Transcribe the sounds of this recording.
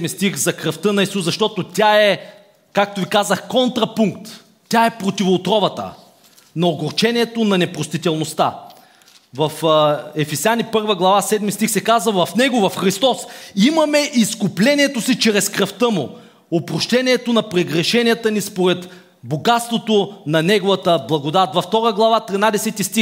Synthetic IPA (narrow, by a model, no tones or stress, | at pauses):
mist̪ixzɐkɾɐft̪ɤnɐisuszɐʃt̪ɔt̪ot̪ʲaɛ | kak̚t̪ovikazəxkɔnt̪ɾɐpuŋkt̪ːʲ | aɛpɾot̪ivoːt̪ɾɔvɐt̪ə̰ | nɐoɡoɾt͡ʃɛniɛt̪onɐnɛpɾost̪it̪ɛlˠnost̪a̰ | vɐfɛfɛsjanipɤɾvəɡlˠɐvasɛd̪mist̪ixsɛkazvɐvɐfnɛɡovɐfxɾist̪ɔsimɐmɛʔiskʊplɛnʲiɛt̪osit͡ʃɾɛskɾɐft̪ɤmʊ | opɾoʃt̪ɛnʲiɛt̪onɐpɾɛɡɾɛʃɛnʲiət̪ənispoɾɛt̪ | boɡat̪st̪vot̪onɐnɛɡovət̪əblˠɐɡod̪at̪vɐft̪ɔɾəɡlˠɐvat̪ɾinad̪ɛsɛt̪ist̪ix